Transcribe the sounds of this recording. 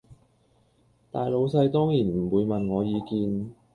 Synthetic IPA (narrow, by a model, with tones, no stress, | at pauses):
t̪aː˨jlo˨˧wsɐ˧jt̪ɔː˥ŋjiː˨˩nm̩˨˩wuː˨˧jmɐ˨nŋɔː˨˧jiː˨˧kiː˧n